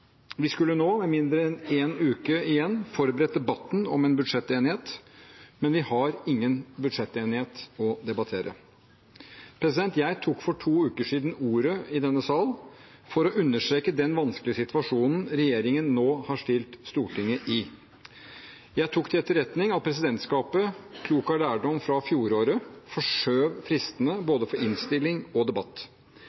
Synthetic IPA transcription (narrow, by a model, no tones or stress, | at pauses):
ʋɪskʉlːənoːmɛmɪnd̪ɾəɛneːnʉːkəɪjɛnːfɔɾbəɾɛt̪̚d̪ɛbɑt̪ːn̩ɔ̰mɛːnbʉd̪ʂɛt̪ːeːnɪheːt̪mɛnʋɪhɑɾɪŋːənbʉd̪ʂɛt̪ːeːnɪheːt̪ɔd̪ɛbɑt̪ʰeːɾʔə̰ | pʰɾɛsɪd̪ɛnt̪jæɪt̪ʰuːkfɔʈʰuːʉːkəʂiːd̪nuːɾəɪd̪ɛnːəsɑːl | fɔɾɔʔʉnːəʂʈɾeːkəd̪ɛnʋɑnsklɪəsɪt̪ʋɑʂuːnn̩ɾɛjeːɾɪŋənːoːhɑʂʈɪlt̪st̪uːʈʰɪŋːəʔɪ | jæɪt̪ʰuːkt̪ɪlɛt̪ːəɾɛt̪nɪŋɑt̪pʰɾɛs̬ɪd̪ɛnt̪skɑːpəkʰluːkɑlæːɖɔmfɾɑfjuːɾoːɾəfɔʂøːʋfɾɪst̪ənəboːd̪əfɔɾʔɪnst̪ɪlːɪŋɔd̪ɛbɑt̪ː